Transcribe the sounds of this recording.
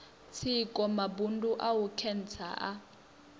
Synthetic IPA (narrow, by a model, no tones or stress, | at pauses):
t͡sʰikʼɔmabunduʔawukʰɛn̩t͡sʰa̰ʔa